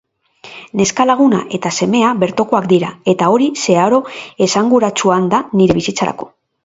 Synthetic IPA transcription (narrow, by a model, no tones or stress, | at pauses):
ne̞skalaɣ̞una̰ʔe̞t̪ase̞me̞aβe̞ɾt̪o̞ko̞akd̪iɾae̞t̪ao̞ɾise̞aɾo̞e̞saŋɡuɾat͡suand̪aniɾe̞β̞isit͡saɾa̰ko̞̥̰